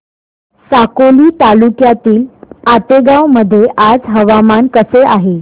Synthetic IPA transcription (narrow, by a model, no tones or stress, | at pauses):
sakoliːt̪alukjat̪iːlat̪eɡawməd̪ʱːjeʔad͡zɦəʋamankəseʔaɦe